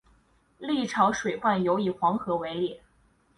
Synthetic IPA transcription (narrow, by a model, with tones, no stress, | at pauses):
li˥˩ʈ͡ʂʰɑ˧˥ʊʂwe˨˩ɪpwa˥˩njo˧˥ʊi˨˩xwɑ˧˥ŋxɤ˧˥we˧˥ɪli˨˩˦